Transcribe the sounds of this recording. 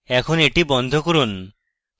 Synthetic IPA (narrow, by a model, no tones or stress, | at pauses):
ɛkʰoneʈibɔnd̪ʱokoɾun